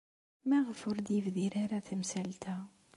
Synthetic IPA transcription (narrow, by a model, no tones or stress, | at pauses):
mæʁfʊɾd̪əvðiɾaɾaθəmsælt̪æ